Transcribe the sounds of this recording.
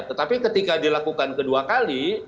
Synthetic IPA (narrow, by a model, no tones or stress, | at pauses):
t̪ːət̪apikət̪ikadilakukankəduakali